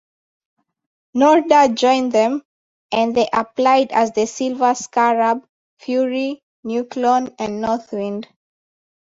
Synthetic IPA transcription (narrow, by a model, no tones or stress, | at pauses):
nɔɹdad͡ʒɔ̃ɪ̃nðɛ̃m | ʔɛ̃nðeʔaplaɪdæzðəsilvəskaɹab | fjuɹi | njuklɔ̃nɛ̃nnɔθwĩnd